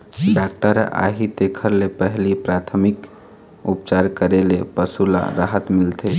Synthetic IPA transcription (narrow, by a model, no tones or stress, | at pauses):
ɖak̚ʈəɾa̰ɦid̪ekʰəɾlepəɦlipɾat̪ʰəmik | upt͡ʃaɾkəɾelepəsula̰ɾaɦət̪milt̪ʰe